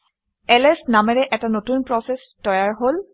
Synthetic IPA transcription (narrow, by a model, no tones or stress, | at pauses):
ɛlɛsnamɛɹɛʔɛtanotunpɹɔses | tɔjaɹɦol